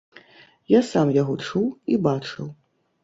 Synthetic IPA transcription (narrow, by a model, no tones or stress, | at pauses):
jasamjaɣɔt͡ʂuwibat͡ʂɨw